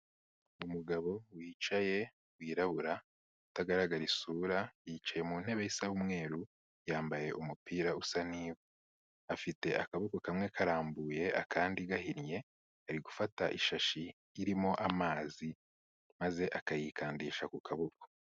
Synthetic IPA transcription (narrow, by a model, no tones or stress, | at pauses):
umuɡaβo̞wiːt͡ʃaje̞ | wiːɾaβuɾa | utaɡaɾaɡaɾisuːɾajit͡ʃaje̞muːn̥he̞βe̞isawumŋe̞ːɾu | jaːmbaje̞ʔumupiːɾausaniːβo | afite̞ʔakaβokokamŋe̞kaɾaːmbuje̞ʔa̰kʰaːndiɡahinje̞ | aɾiɡufataʔiʃaʃiː | ɾimo̞ʔamaːzi | maze̞ʔakajikʰaːndiːʃakukʰaβoko̥